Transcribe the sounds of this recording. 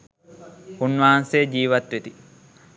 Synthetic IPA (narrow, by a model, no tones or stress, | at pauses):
hunːʋaːnseːd͡ʒiːʋɐt̪ʋet̪i